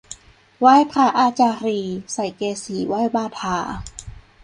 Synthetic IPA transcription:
waː˥˩jpʰɾaː˧ʔaː˧t͡ɕaː˧ɾiː˧sa˨˩˦jkeː˧siː˨˦waː˥˩jbaː˧t̪ʰaː˧

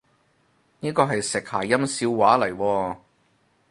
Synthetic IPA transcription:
niː˥kɔː˧ɦɐ˨jsɪ˨k̚haː˨˩jɐ˥msiː˨˧wwaː˨˥lɐ˨˩jwɔː˧

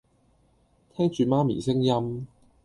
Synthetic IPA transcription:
t̪ʰɛː˥ŋt͡ʃyː˨maː˥mḭː˨˩sɪ˥ŋjɐ˥m

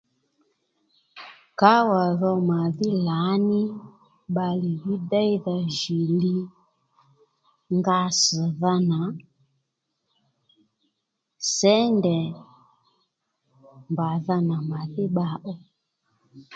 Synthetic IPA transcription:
ka˨˦wa˨ðɔ˧ma˨ðɪ˦la˨˦nɪ˦ | ɓa˧li˨ji˦dɛ˦i˦ða˧ʒi˨li˦ | ŋɡa˧s̩˨ða˧na˨ | sɛ˦ndɛ˨ | mba˨ða˧na˨ma˨ðɪ˦ɓa˨ʔɔ˦

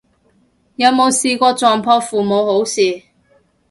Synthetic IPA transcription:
jɐ˨˧wmo˨˧wsiː˨kʷɔː˧t͡sɔː˨ŋpʰɔː˧fuː˨mo˨˧who˨˥wsiː˨˩

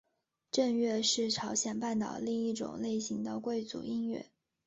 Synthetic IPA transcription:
ʈ͡ʂə˥˧ŋɥɛ˥˧ʂɻ̩˥˩ʈ͡ʂʰɑ˧˥ʊɕjɛ˨˩npa˥˩nt̪ɑ̰˨˩ʊli˥˧ŋi˥˩ʈ͡ʂʊ̰˨˩ŋle˥˩ɪɕi˧˥ŋd̪ə˧kwe˥˩ɪt͡sṵ˨˩i˥nɥɛ̰˥˩˦

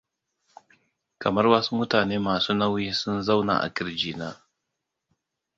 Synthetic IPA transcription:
kɐ˨mɐ˦rwaː˦su˦mʊ˦taː˨neː˦maː˨suː˦na˦wi˦sʊ˦nza˦wna̰ː˨ʔa̰˨kʲɪ˦ɾd͡ʒiː˨naː˦

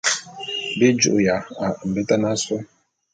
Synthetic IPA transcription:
be˦d͡ʒṵ˨ʔja˨a˨m̩˨be˦ta˦na˦sɔ˦

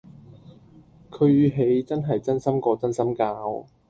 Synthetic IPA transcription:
kʰɵ˨˧ɥjyː˨˧ɦe˨˧jt͡sɐ˥nɦɐ˨jt͡sɐ˥nsɐ˥mkɔː˧t͡sɐ˥nsɐ˥mkaː˧w

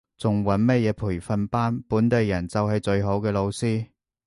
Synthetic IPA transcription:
t͡sʊ˨ŋwɐ˨˥nmɐ˥t̚jɛː˨˧pʰuː˨˩jfɐ˨˧npaː˥npuː˨˥nt̪e˨jːɐ˨˩nt͡sɐ˨wɦɐ˨jt͡sɵ˧ɥɦo˨˥wkɛː˧lo˨˧wsiː˥

